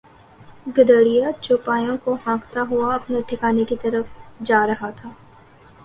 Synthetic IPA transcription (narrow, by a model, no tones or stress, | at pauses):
ɡɐd̪əːɽijat͡ʃʊpaːjõkoɦãːkt̪aɦʊaɐpneʈʰɪkaːnekit̪ɐɾəfd͡ʒaːɾɐɦat̪ʰaː